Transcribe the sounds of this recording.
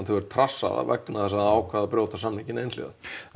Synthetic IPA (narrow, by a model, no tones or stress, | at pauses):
nt̪ʰɛvɛɾt̪ʰɾasːa̰ða̰vɛ̰knaθɛsaðaːwkʰvaːðapɾjoːwt̪asamniŋcɪnejnt̪lḭða̰